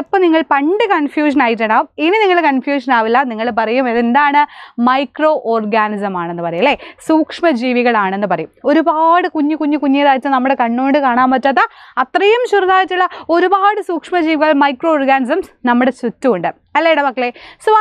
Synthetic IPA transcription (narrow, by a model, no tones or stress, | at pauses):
ipːɐniŋːɐɭpɐɳɖɨkɐnfjuːʂ̬ɐnaːjit̬ːɐɳɐminɨniŋːɐɭkɐnfjuːʂ̬ɐnaːʋilːɐniŋːɐɭpɐrɐjumeðend̪aːɳɨmɐjkroːʔoːrɡaːnisɐmaːɳe̞nːɨpɐrɐjuɐlːesuːkʂmɐd͡ʑiːʋiɣɐɭaːɳe̞nːɨpɐrɐjumo̞ɾubaːɽɨkuɲːukuɲːukuɲːiðaːjtːɨnɐmːuɽe̞kɐɳːoːɳɖɨkaːɳaːmpɐtːɐðɐɐt̪rɐjumɕuruðaːjitːuɭːɐo̞ɾubaːɽɨsuːkʂmɐd͡ʑiːʋiɣɐɭmɐjkro̞ːrɡaːnisɐmsnɐmːuɽesutːuuɳɖɨ | ɐlːeɽɐpɐkːɭesʋa